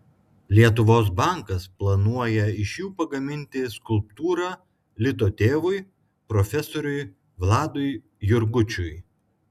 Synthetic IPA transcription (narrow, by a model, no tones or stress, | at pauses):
lʲiɛt̪̬ʊʋoːs̬bɑˑŋkɐsplˠɐnuɔjɛɪʃjuːpɐɡɐmʲɪnʲt̪ʲɪskʊlˠpt̪uːɾɑː | lʲɪt̪oːt̪ʲeːʋʊɪ | pɾɔfʲɛsoːɾʲʊj | ʋlˠɑːd̪ʊɪ | jʊɾɡʊt͡ʃʲʊj